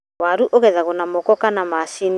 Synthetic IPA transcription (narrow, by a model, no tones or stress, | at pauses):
waɾuʔoɣɛðaɣonamokɔkanamasin